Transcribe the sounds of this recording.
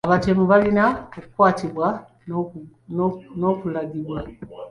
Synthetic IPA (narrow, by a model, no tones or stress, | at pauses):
aβatemuβalinaokukwaːtiβwa | no̞kulaɡiβwa